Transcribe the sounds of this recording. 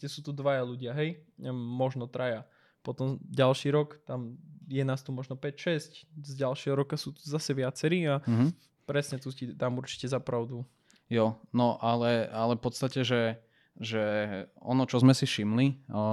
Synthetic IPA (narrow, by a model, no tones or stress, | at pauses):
ɛsuːt̪ud̪ʋajaluɟɪaɦɛjmɔʒnɔt̪ɾaja | pɔt̪ɔmɟalʃiːɾɔkt̪amjɛnaːst̪umɔʒnɔpɛcʃɛsczɟalʃɪɛɦɔɾɔkasuːt̪u̥zasɛʋɪat͡sɛɾiːaɦ | pɾɛsɲɛt̪ucid̪amuɾt͡ʃi̥cɛzapɾaʊd̪u | jɔnɔʔalɛalɛfpɔt̪st̪acɛʒɛ | ʒɛɔ̰nɔt͡ʃɔzmɛsifʃimli